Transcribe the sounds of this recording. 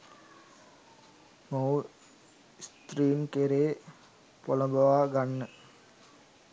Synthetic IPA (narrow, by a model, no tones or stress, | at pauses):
mow | st̪riːnkeɾeː | polɐbɐʋaːɡanːə